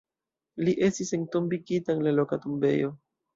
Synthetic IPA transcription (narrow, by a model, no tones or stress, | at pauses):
liʔe̞stisentombiɡitaŋlalo̞katumbe̞̰jo̞